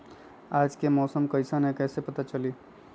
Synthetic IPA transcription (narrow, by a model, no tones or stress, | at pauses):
aːd͡ʒkemɔːsəmkɐɪsanekɛːsepɐt̪at͡ʃɐliː